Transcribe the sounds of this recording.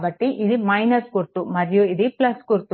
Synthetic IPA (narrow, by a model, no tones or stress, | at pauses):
bɐʈːiʔid̪imɐjnɐɾskuɾt̪umɐɾjuid̪iplɐskuɾt̪u